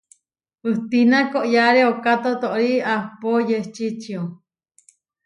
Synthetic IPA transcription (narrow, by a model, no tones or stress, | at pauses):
ɨht̪inakoʔjaɾeokat̪ot̪oʔɾiahpojet͡ʃit͡ʃio